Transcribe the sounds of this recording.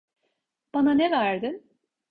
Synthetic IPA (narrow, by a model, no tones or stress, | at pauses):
b̥ananɛvæɾd̪ɪn